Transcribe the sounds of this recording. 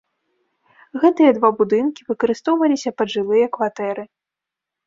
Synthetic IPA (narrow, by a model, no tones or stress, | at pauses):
ɣɛt̪ɨjɐd̪vabud̪ɨnkʲivɨkɐɾɨst̪ɔwvɐlʲisʲɐpɐd̪ʐɨlˠɨjɐkvat̪ɛɾɨ